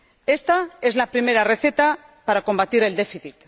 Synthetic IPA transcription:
e̞st̪ae̞zlapɾime̞ɾare̞θe̞t̪a | paɾako̞mbat̪iɾe̞ld̪e̞fiθit̪

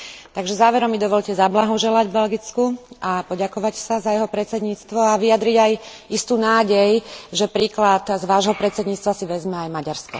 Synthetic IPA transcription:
tt̪aɡʒɛzaːʋɛɾɔmːid̪ɔʋɔʎcɛzablaɦɔʒɛlaɟbɛlɡit͡skuapɔɟakɔʋacsazajɛɦɔpɾɛt͡sɛd̪ɲiːt͡st̪ʋɔaʋijad̪ɾiɟajist̪uːnaːɟɛjʒɛpɾiːklat̪zʋaːʒɦɔpɾɛt͡sɛd̪ɲiːt͡st̪ʋasiʋɛzmɛajmaɟaɾskɔ̰

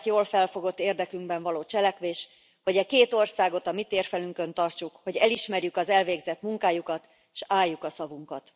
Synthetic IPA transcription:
t̪joːlfɛlfo̞ɡo̞t̪ːeːrd̪ɛkyŋɡbɛɱvɒloːt͡ʃɛlɛkʋeːʃ | ho̞ɟɛkeːt̪o̞rsaːɡo̞t̪ɒmit̪eːrfɛlyŋkø̞nt̪ɒrt͡ʃukho̞ɟɛliʃmɛrjykɒzɛlveːɡzɛt̪muŋkaːjukɒt̪ | ʃaːjːukɒsɒvuŋkɒt̪

